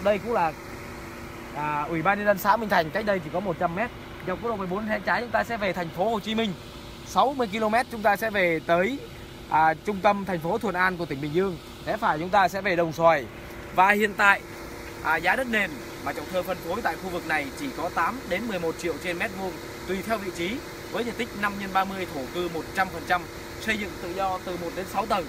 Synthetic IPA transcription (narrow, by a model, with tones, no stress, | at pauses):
ɗə˧jkʊ̰˧˥ŋlaː˨˩ | ʔːʔwi˧˩ɓaː˧nːɲə˧nzə˧nsa̰ː˧˥mï˧ŋ̟t̪ʰa˨˩jŋ̟ka˦˥k̟̚ɗə˧jt͡ɕʰi˧˩kɔ˨˦mo˨˩t̚t͡ɕa˧mːɛ˦˥t̚ | zwk̚ːɗo˨˩m˨˩ɓo˨˦nʰɛ˧˥nt͡ɕaː˨˦jt͡ɕʊ˨˦ŋ͡mt̪aː˧sɛ̰˧˥ve˨˩t̪ʰɛ˨˩jŋ̟fo˨˦ho˨˩t͡ɕi˨˦mï˧ŋ̟ | sa˨˦wmɨ˧əjki˧lo˧mɛ˦˥t̚t͡ɕʊ˨˦ŋ͡mt̪aː˧sɛ̰˧˥ve˨˩t̪əː˨˦j | ʔːt͡ɕʊ˧ŋ͡mt̪ə˧mt̪ʰa˨˩jŋ̟fo˨˦t̪ʰu˨˩ənʔaː˧nku˧˩t̪ï˧˩ŋ̟ɓï˨˩ŋ̟zɨ˧əŋ | sʰɛ̰˧˥faː˧˩jt͡ɕʊ˨˦ŋ͡mt̪aː˧sɛ̰˧˥ve˨˩ɗə˨˩wŋ͡mswaː˨˩j | vaː˨˩hḭ˧˨ənt̪a̰ː˧˨jʔ | ʔːzaː˨˦ɗə˦˥t̚ne˨˩m | maː˨˩t͡ɕɔ̰˧˩wŋ͡mt̪ʰəː˧˩fə˧˩nfo˨˦jt̪a̰ː˧˨jxu˧vɨ˨˩k̚na˨˩jt͡ɕi˧˩kɔ˨˦t̪aː˨˦mɗe˨˦nmɨ˨˩əjmo˨˩t̚t͡ɕḭ˧˨əwt͡ɕe˧nmɛ˦˥t̚vu˧ən | t̪wi˨˩t̪ʰɛ˧wvḭ˧˨t͡ɕi˨˦ | vəː˨˦jzə̰˨˧˨nt̪ï˦˥k̟̚na˧mɲə˧nɓaː˧mɨ˧əjt̪ʰo˧˩kɨ˧mo˨˩t̚t͡ɕa˧mfə˨˩nt͡ɕa˧m | sə˧jzɨ̰˧˨ŋt̪ɨ̰˧˨zɔ˧t̪ɨ˨˩mo˨˩t̚ɗe˨˦nsa˨˦wt̪ə˨˩n